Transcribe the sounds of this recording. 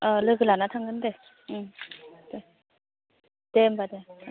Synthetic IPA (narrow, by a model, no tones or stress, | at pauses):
ʌlɯɡɯlanat̪ʰaŋnɯnde | ɯmd̥̪e | d̥embad̪ea